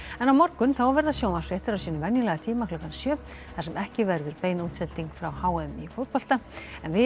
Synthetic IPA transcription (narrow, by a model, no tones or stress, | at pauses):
ɛnawmɔrkʏnθawvɛɾðasjoːwmansfiɛht̪ɪɾawsiːnʏmvɛnjʏlɛɣat̪ʰiːmaklʏhkansjœː | θasɛmɛhcɪvɛɾðʏɾpeːjnut̪sɛt̪ːiŋkfɾawhaːwɛmifowt̪pɔl̥t̪aɛnvɪ